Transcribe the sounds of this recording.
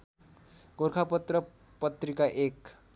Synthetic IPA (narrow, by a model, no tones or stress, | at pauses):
ɡoɾkʰapʌt̪rʌ | pʌt̪rikaʔek